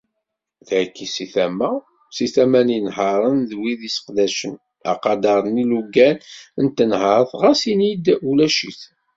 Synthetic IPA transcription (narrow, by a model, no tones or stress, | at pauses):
ðkːisiθæmːæ | siθæmæninɦɑɾˤənðwiðisə̥qd̪æʃən | ɑ̰qɑd̪ɑɾˤəniluɡænənt̪ːənɦəɾˤθʁæsinid̪ulæʃḭθ